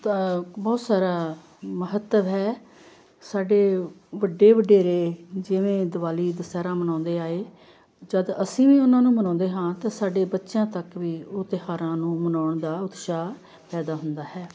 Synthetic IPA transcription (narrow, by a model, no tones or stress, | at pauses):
t̪bɔːt̪saːɾaː | məɦət̪ːəʋɦɛː | saːɖeːʋəɖːeːʋəɖeːɾeːd͡ʒɪʋẽːd̪əʋaːliːd̪əsɛːɾãːmənãːnd̪eːaːeː | d͡ʒəd̪əsĩːʋiːʊnãːnũːmənɔ̃ːnd̪eːɦãːt̪ãːsaːɖeːbətːʃãːt̪əkʋiːʊt̪eɦaːɾãːnũːmənaːɳd̪aːʊd̪ʃaː | pɛːd̪aːɦʊnd̪aːɦɛː